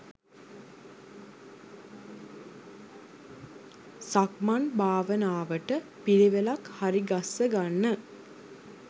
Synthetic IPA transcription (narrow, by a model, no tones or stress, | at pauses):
sakmanbʱaːʋənaːʋəʈəpiliʋelakhaɾiɡasːəɡanːə